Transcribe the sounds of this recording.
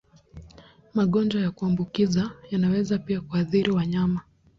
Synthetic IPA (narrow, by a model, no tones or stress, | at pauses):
maɠɔnd͡ʒajakuambukizajanawɛzapiakuaθiɾiwaɲama